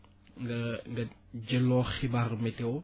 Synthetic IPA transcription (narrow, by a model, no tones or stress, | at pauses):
ŋɡɐŋɡɐ | ɟɐlɔːxibarmɛtɛw